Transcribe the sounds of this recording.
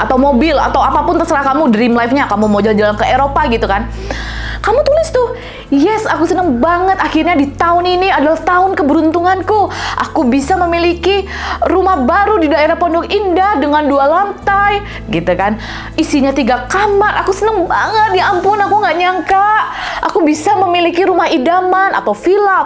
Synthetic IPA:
ʔat̪awmobɪla̰t̪awapapʊnt̪ərsəɾahkamudɾimlajfɲakamumodald͡ʒalankəeɾopaɡit̪ukan | kamut̪ulɪst̪ʊh | jɛsakusənəŋbaŋət̪axirɲadit̪aʊniniadalaht̪aʊnkəbəɾunt̪uŋankuʔakubisaməmiliki | rumahbaɾudidaeɾahpɔndʊkindahdəŋandualant̪aj | ɡit̪ukan | isiɲat̪iɡakamaɾʔakusənəŋbaŋət̪̚diampʊnakuŋɡaʔɲaŋkaʔakubisaməmilikiɾumahidamanʔa̰t̪awfilap̚

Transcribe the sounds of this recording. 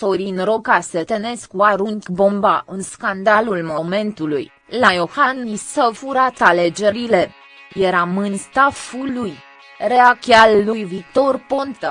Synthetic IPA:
soɾinɾokaset̪ene̞skuaɾunkbo̞mbaʔɨnskand̪alulmo̞me̞nt̪ulṵj | lajo̞xanisəfuɾat̪ale̞d͡ʒe̞ɾile̞ | jeɾamɨnst̪afuluj | reakʲalːujvik̚t̪o̞rpo̞nt̪ə

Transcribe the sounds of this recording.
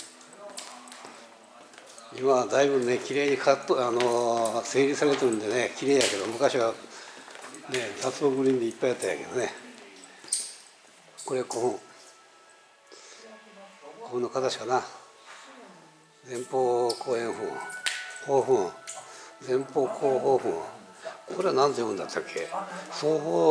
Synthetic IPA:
imad̪aibɯ̟̃nːe̞kʲiɾe̞ːɲikʰat̪ːanose̞ːɾʲisaɾe̞t̪eɾɯ̟̃nd̪e̞ne̞kʲiɾe̞ːjake̞d̪omɯ̟kaɕiɡa | ne̞d̪asoːɡɯɾʲĩnd̪e̞ipːaijat̪ːaja̰ke̞d̪one̞ | ko̞ɾe̞kohɯ̃ | kõnːokat̪aɕi̥kana | d͡zẽ̞mpoːkʰoːẽɰ̃ɸõ̰ | hoːɸɯ̃ | d͡zẽ̞mpoːkʰoːɦoːhɯ̃ | kʰoɾeanãnt̪eomɯ̃nd̪at̪ʰːakʰːe̞̰soːhoː

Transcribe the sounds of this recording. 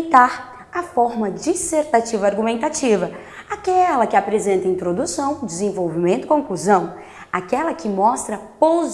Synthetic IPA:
t̪aɾ | afɔɾmɐd͡ʒiseɾt̪at͡ʃivɐaɾɡumẽnt̪at͡ʃivɐ | akɛlɐkɪapɾezẽnt̪ɐĩnt̪ɾod̪usɐ̃w̃d͡ʒɪzẽvowvimẽnt̪ʊɪ̥kõkluzɐ̃w̃ | akɛlɐkɪmɔst̪ɾɐpoz

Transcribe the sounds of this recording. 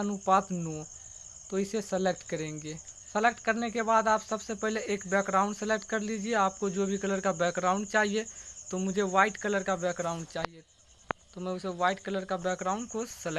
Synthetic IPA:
ɐnʊpaːt̪noː | t̪oɪsesɛlek̚ʈkɐɾẽːŋɡeːsəlek̚ʈkɐɾnek̬ebaːd̪aːpsɐbsepɛɦleeːkbɛːkɾaːʊ̃ɳɖsɛlek̚ʈkɐɾliːd͡ʒieaːp̚kod͡ʒoːbʱikɐləɾkabɛːkɡɾaːʊ̃ɳɖt͡ʃaːɦiet̪omʊd͡ʒʱeʋaːɪʈkɐləɾkabɛːkɾaːʊ̃ɳɖt͡ʃaːɦie | t̪omɛ̃ʊseʋaːɪʈkɐləɾkabɛːkɾaːʊ̃ɳɖkosɛle

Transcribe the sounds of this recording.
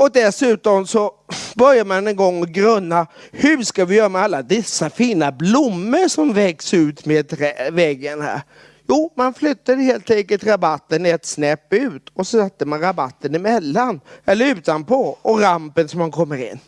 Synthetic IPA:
ɔd̪ɛsʉ̟ːt̪ɔmsɔbœɾjaɾmanɛnɡɔŋːɔɡɾɵnːahɵ̟ʂkavɪjœːɾamɛalːad̪ɪsːafiːnablʊmːəɾʂɔmvɛksʉ̟ːt̪meːd̪ɾɛvɛɡənæ̰ɾ | juːmanflʏt̪ːad̪əheːlt̪ɛŋkəlt̪ɾabat̪ːənɪɛt̪snɛpːʉ̟ːt̪ɔsɔsat̪ːəmanɾabat̪ːənɪmɛlːanɛlːəɾʉ̟ːt̪anpɔɔɾampənsɔmːankʰɔmːəɾɪ̰nː

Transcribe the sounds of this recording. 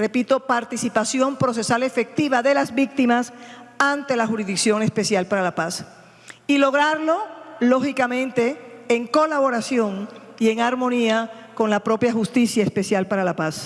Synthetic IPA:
re̞pit̪o̞paɾt̪isipasjo̞mpɾo̞s̬e̞sale̞fe̞k̚t̪iβaðe̞lazbik̚t̪imasant̪e̞laxuɾizðiksjo̞ŋe̞spe̞sjalpaɾalapas | ilo̞ɣ̞ɾaɾlo̞lo̞xikamẽ̞nt̪e̞ːŋko̞laβo̞ɾasjo̞ŋ | ie̞ŋaɾmõ̞nia | ko̞nlapɾo̞pjaxust̪isjaespe̞sjalpaɾalapas

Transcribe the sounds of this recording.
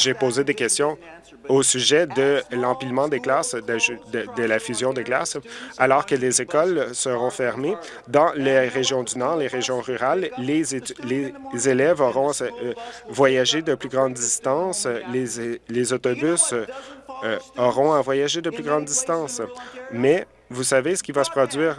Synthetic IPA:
ʒepoːzed̪ekʲɛst̪jɔ̃ | osyʒɛd̪əlɑ̃pilmɑ̃d̪eklasd̪aʒd̪əd̪əlafyzjɔ̃d̪eklasalɔːʁkəlezekɔlsəʁɔ̃fɛʁme | d̪ɑ̃laʁeʒjɔ̃d̪ynɔːʁleʁeʒjɔ̃ʁyʁalːezelezelɛvɔʁɔ̃s | vwajaʒed̪əplyɡʁɑ̃d̪d̪ist̪ɑ̃slelezɔt̪ɔbys | øɔʁɔ̃avwajaʒed̪əplyɡʁɑ̃d̪d̪ist̪ɑ̃smɛ | vusavesə̥kʲivasə̥pχɔdzɥiːʁ

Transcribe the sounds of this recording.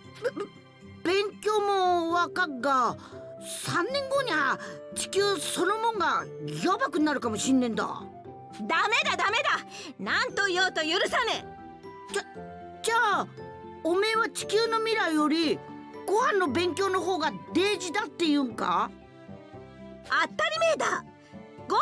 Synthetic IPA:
b̥ẽ̞ŋkʲo̞ːmo̞βakaɡa | sãnːẽ̞ŋɡo̞ːɲ̟iat͡ɕi̥kʲɨːso̞no̞mõ̞ŋɡajabakɯ̟naɾɯ̟kamo̞ɕĩnːẽ̞nd̪a̰ | d̪ame̞d̪ad̪ame̞d̪anãnt̪oijoːt̪ojɯɾɯsane | d͡ʑa | d͡ʑaː | ome̞βat͡ɕi̥kʲɨːno̞mʲiɾaijo̞ɾʲiɡ̥o̞hãnːo̞bẽ̞ŋkʲo̞ːno̞ɦo̞ːɡad̪eːʑid̪at̪ːe̞jɯ̟ːŋka̰ | at̪ːaɾʲimed̪a | ɡ

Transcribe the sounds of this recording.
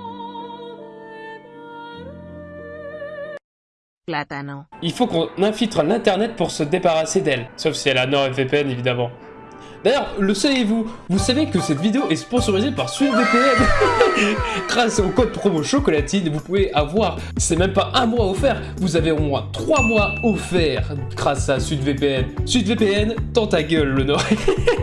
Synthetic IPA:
lat̪anilfokɔ̃nɛ̃filt̪χəlɛ̃t̪ɛʁnɛt̪̚puʁsəd̪ebaʁased̪ɛlsofsiɛlanɔʁɛfepeɛnevid̪amɑ̃ | d̪ajœʁləsajevuvusavekəsɛt̪vid̪eoʔɛspɔ̃sɔʁizepaʁsyd̪vepeɛn | ɡʁasokɔd̪̚pχɔmoʃɔkɔlat̪invupuveʔavwaʁ | sɛmɛmpaʔɛ̃mwaɔfɛʁ | vuzaveomwɛ̃t̪χwamwaɔfɛʁ | ɡ̥ʁasasyd̪vepeɛnsɥyd̪vepeɛnt̪ɑ̃t̪aɡʲœlːənɔʁɛ

